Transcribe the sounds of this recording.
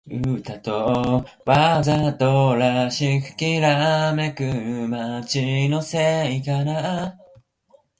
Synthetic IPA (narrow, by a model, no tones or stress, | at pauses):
ɯt̪at̪o | βazat̪oɾaɕiɸɯ̟̥kʲiɾamekɯmat͡ɕinoseikana